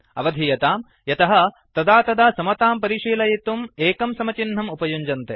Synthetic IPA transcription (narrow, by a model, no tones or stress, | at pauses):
ɐʋɐd̪ʱijɐt̪aːm | jɐt̪ɐɦɐ | t̪ɐd̪aːt̪ɐd̪aːsɐmɐt̪aːmpɐɾiʂiːlɐjit̪umeːkɐmsɐmɐt͡ʃinɦɐmupɐjuɲd͡ʒɐnt̪e